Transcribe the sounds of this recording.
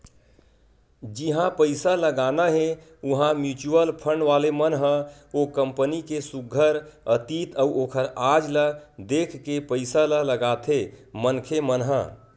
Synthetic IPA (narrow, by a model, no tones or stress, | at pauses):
d͡ʒiɦãpəɪsaləɡanaɦẽ | uɦãmjut͡ʃuəlpʰəɳɖʋalemənɦə̃okəmpənikesuɡʱəɾət̪it̪əuʔokʰəɾad͡ʒləd̪ekʰkepəɪsalələɡat̪ʰemənkʰemənɦə̰